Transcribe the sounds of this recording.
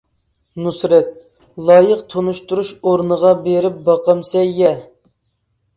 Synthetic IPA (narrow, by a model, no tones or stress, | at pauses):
nusɾɛt̪̚ | lˠɑːjəqt̪ʰonuʃt̪uɾuʃoɾnəʁɑbeɾɪp̚bɑqɑmsɛjɛ